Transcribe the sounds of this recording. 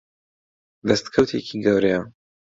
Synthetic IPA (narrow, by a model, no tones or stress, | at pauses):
d̪ɐst̪kʰɐwt̪ʰekʰiɡɐwɾeja